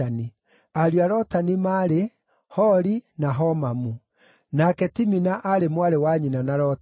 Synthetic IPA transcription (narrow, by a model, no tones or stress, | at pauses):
ani | aɾiaɾɔtanimaɾe | hɔɾinaɦɔmamu | nakɛtiminaʔaɾemwaɾewaɲinanaɾɔ